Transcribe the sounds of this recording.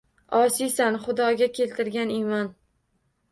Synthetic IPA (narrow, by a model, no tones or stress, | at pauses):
ɒsisanχʊd̪ɒɡʲakʲʰe̞lt̪ʰɪɾɡʲanɪmɒn